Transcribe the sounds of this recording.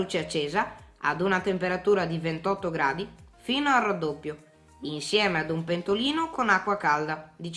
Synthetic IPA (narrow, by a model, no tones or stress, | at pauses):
ut͡ʃeat͡ʃːɛːzaa̰d̪unat̪empeɾat̪uːɾad̪ivent̪ɔt̪ːoɡɾaːd̪ifinoarad̪ːopːjo | insjɛːmead̪umpent̪oliːnokonakːwakald̪ad̪it͡ʃ